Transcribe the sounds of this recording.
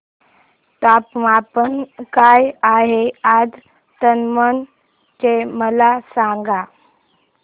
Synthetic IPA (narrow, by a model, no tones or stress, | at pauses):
t̪apmapənkajaɦead͡z | t̪ənmən | t͡ɕeməlasãŋɡa